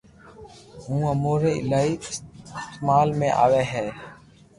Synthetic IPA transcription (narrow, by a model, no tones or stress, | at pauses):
ɦũːəmoːɾeːɪlaːiːkɪsɪst̪ːmaːlmẽːʔa̰ːʋeːɦɛː